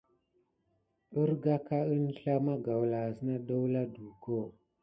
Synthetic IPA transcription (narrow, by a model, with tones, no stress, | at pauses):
ɗə˦ɾɡa˦ka˦ə˦nɬa˦ma˦ɡa˨wla˨zə˦na˦ɗo˦wla˦du˨ko˦˨